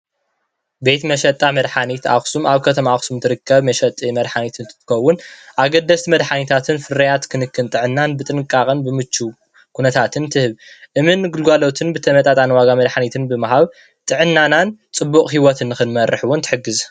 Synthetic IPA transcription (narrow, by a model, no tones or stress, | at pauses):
be̞t̪mɐʃɐt̪ʼːamɐd̪ħanit̪a̰xsumaβkʰɐt̪ʰɐmaxsumt̪ʰɨɾɨkʰːɐβmɐʃɐt̪ʼimɐd̪ħanit̪ɨnʰɨxɐwːʊnʔaɡɐd̪ːɐst̪mɐd̪ħanit̪ʰat̪ʰɨnfɨɾɐjat̪kʰɨnɨkːɨnt̪ʼɨʕɨnːanbɨt̪ʼɨnɨkʼakʼɨnbɨmɨt͡ʃːu | kʰunɐt̪ʰat̪ʰɨnt̪ʰɨhɨβʔɨmɨnɡulɡʷalot̪ʰɨnbɨt̪ʰɐmɐt̪ʼat̪ʼanwaɡamɐd̪ħanit̪ʰɨnbɨmaɦaβ | t̪ʼɨʕɨnːanant͡sʼɨbːukʼhiwɔt̪ʰɨnːɨxɨnmɐɾɨħwɔnt̪ʰɨ̥ħɨɡːɨz